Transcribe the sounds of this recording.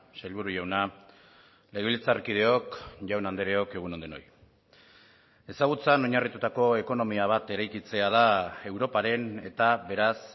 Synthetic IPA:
sajʎβuɾuʝawna | le̞ɣilt͡sarkið̞e̞o̞kʝawnand̪eɾe̞o̞ke̞ɣ̞uno̞nd̪eno̞̰j | e̞saɣ̞ut͡sano̞ɲarit̪ut̪ako̞e̞ko̞no̞miaβ̞at̪e̞ɾajkit͡se̞að̞ae̞wɾo̞paɾe̞ne̞t̪aβe̞ɾas

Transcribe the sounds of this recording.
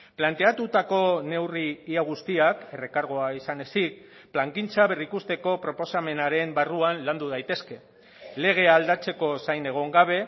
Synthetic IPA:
plant̪eat̪ut̪ako̞ne̞wriːaɣ̞ust̪iake̞re̞kaɾɣ̞o̞aisane̞sik | plaŋkint͡saβe̞rikust̪e̞ko̞pɾo̞po̞same̞naɾe̞mbaruanland̪uð̞ajt̪e̞ske̞ | le̞ɣ̞e̞ald̪at͡se̞ko̞sajne̞ɣ̞o̞ŋɡaβ̞e̞

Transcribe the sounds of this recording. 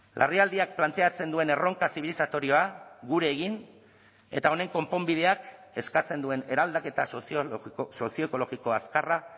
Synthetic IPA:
lʔa̰riald̪iak̚plant̪e̞at͡se̞nd̪ue̞ne̞ro̞ŋkasiβ̞ilisat̪o̞ɾio̞aɣuɾe̞ːɣin | e̞̰t̪ao̞ne̞ŋko̞mpo̞mbiðe̞ake̞skat͡se̞nd̪ue̞ne̞ɾald̪ake̞t̪as | so̞sio̞eko̞lo̞ɣiko̞askara

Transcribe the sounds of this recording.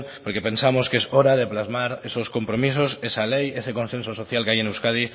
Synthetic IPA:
poɾkepe̞nsamoskesoɾað̞eplazmaɾesosko̞mpɾomis̬osesalejeseko̞nsensoso̞θjalkeajenewskað̞i

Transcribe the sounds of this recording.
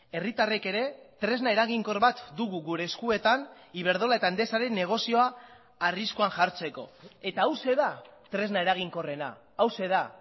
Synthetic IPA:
e̞rit̪are̞ke̞ɾe̞t̪ɾe̞znae̞ɾaɣ̞iŋko̞ɾβat̪d̪uɣuɣuɾe̞ːskue̞t̪an | iβ̞e̞ɾð̞o̞laet̪aend̪e̞saɾe̞nːe̞ɣ̞o̞sio̞aː | riskoaŋʝaɾt͡se̞ko̞̰e̞t̪aːwse̞ðat̪ɾe̞znae̞ɾaɣ̞iŋko̞re̞na̰ː | wse̞ða

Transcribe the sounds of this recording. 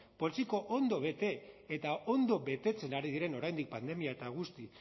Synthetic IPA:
po̞lsiko̞ʔond̪o̞βe̞t̪e̞ːt̪ao̞nd̪o̞βe̞t̪e̞t͡se̞naɾið̞iɾe̞no̞ɾajnd̪ik̚pand̪e̞miaet̪aɣ̞ust̪i

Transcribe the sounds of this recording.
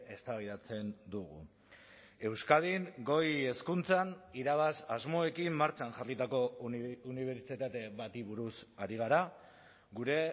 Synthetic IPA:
e̞st̪aβjðat͡se̞nd̪uɣṵ | e̞wskað̞iŋɡo̞je̞skunt͡saniɾaβasazmo̞e̞kimːaɾt͡ʃanʝarit̪ako̞uniβ̞e̞ɾt͡ʃit̪at̪e̞βat̪iβuɾusaɾiɣ̞aɾa | ɣuɾe̞

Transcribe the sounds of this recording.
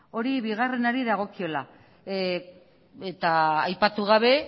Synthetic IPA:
o̞ɾiβiɣare̞naɾiðaɣ̞o̞kio̞la | et̪aːjpat̪uɣ̞aβ̞e̞

